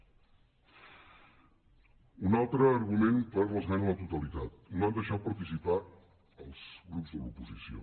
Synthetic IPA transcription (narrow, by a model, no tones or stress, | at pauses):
unalˠt̪ɾəːɾɣumenpəɾləzɣanlət̪ut̪əlit̪at̪̚noand̪əʃat̪̚pəɾt̪isipa | əlˠz̥ɣɾupzðə̰lupuzisio̰